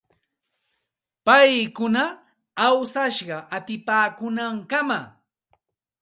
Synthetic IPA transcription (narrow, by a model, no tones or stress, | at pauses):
pajkʊnaː | wsaʃɢɑʔat̪ɪpaːkʊnaŋkama